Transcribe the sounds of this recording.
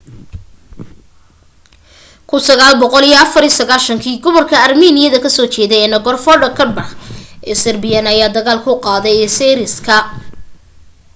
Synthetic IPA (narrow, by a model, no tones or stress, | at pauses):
kʰʊnsɐɣaːlbɔqɔlijɔɐfɐɾisɐɣaːlʃɐŋkʰiːɡɔβɐrkʰɐɐrmiːnɪjɐðɐkʰɐsɔːt͡ʃɛːðɛjɛːnɐɡɔrfɔɖɐkʰɐbɐħʔɛsɐrbɪjɐnɐjaːd̪ɐɣaːlkʰʊqɑːðɛjɛːsɛɾɪskʰɐ